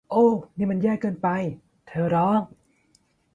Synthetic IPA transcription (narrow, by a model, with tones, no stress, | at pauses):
ʔoː˧˩ni˧˨mɨ˨njaː˧kəː˧npa˧j | t̪ʰəː˨˧ɾɔː˧˥ŋ